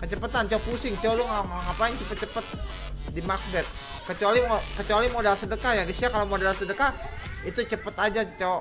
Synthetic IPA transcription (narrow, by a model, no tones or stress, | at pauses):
kət͡ʃəpət̪ant͡ʃapusɪŋt͡ʃoluŋaŋŋapaɪŋt͡ʃəpət̪̚t͡ʃəpət̪̚ | dimaksbɛt̪̚ | kət͡ʃualimokət͡ʃualimodalsədəkajaɡisiakalomodalsədəkait̪ut͡ʃəpət̪ad͡ʒat͡ʃa